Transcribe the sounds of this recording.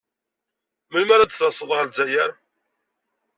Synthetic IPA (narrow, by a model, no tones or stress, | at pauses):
məlmæɾad̪θɑsˤːəðˤʁəlzæjəɾ